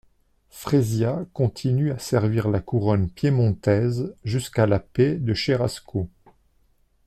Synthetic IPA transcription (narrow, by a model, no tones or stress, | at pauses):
fχezjakɔ̃t̪ʰinyasɛʁviʁlakuʁɔnpjemɔ̃t̪ɛzʒyskalaped̪əʃeʁasko